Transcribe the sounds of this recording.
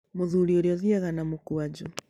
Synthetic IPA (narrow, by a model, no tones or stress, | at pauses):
moðuɾioɾjɔðiaɣanamokuad͡ʒu